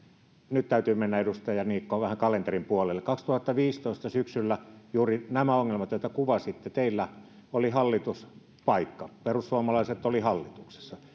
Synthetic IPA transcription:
nyt̪t̪æyt̪yːmenːæedust̪ɑjɑniːkːoːʋæhæŋkɑlent̪erimpuolelːekɑkst̪uhɑt̪ːɑʋiːst̪oˑist̪ɑsyksylːæjuːrinæmæoŋːelmɑt̪jot̪ɑkuʋɑsit̪ːet̪eilːæ | olihɑlːit̪us | pɑikːɑperussuɑmɑlɑiset̪ːolihɑlːit̪ukse̥sːɑ

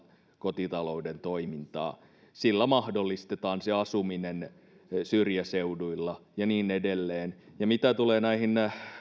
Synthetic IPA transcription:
kot̪it̪ɑloudent̪oimint̪ɑ̰ː | silːæmɑhdolːist̪et̪ɑːnseɑsuminen | syrjæseuduilːɑjɑniːnedelːeːnjɑmit̪æt̪uleːnæihin

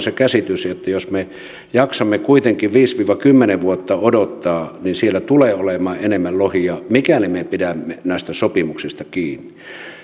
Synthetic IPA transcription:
sekæsit̪ysjot̪ːɑjosme | jɑksɑmːekuit̪eŋkiʋʋiːsʋiːʋɑkymːeneʋuot̪ːɑodot̪ːɑːninsielːæt̪uleːolemɑːʔenemːællohiɑmikænimepidæmːenæˑist̪æsopimuksist̪ɑkiːnːi

